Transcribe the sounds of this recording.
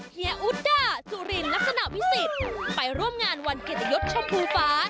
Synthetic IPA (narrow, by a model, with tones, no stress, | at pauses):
i˧˩ə˦ʔu˦˥t̪̚daː˧˥˩su˨˩ɾi˧nla˦˥k̚sa˧na˨˩ʔwi˦˥si˨˩t̪̚pa˧jɾu˥˩əmŋaː˧nwa˧nkeː˨˩t̪̚ːjo˦˥p̚t͡ɕʰa˧pʰuː˧faː˦˥